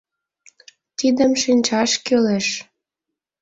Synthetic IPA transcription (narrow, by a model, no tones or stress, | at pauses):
t̪id̪əmʃinʲt͡ɕɑʃkøleʃ